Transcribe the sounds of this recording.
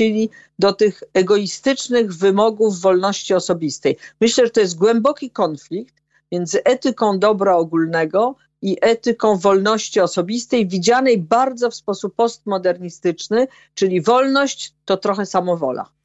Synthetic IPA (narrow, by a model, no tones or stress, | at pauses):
elʲi | d̪ɔt̪ɘxɛɡɔist̪ɘt͡ʂnɘɣvɘmɔɡuvːɔlnɔɕt͡ɕiɔsɔbʲist̪ɛjmɘɕlɛʐɛt̪ɔjɛst̪̚ɡwɛmbɔkʲikɔnflʲikt̪ | mʲjɛnd̪zɘʔɛt̪ɘkɔ̃w̃d̪ɔbɾaɔɡulnɛɡɔ | iʔɛt̪ɘkɔ̃w̃vɔlnɔɕt͡ɕiɔsɔbʲist̪ɛjvʲid͡ʑanɛjbaɾd̪zɔfspɔsupːɔst̪mɔd̪ɛɾɲist̪ɘt͡ʂnɘ | t͡ʂɘlʲivɔlnɔɕt͡ɕt̪ɔt̪ɾɔxɛsamɔvɔ̰la̰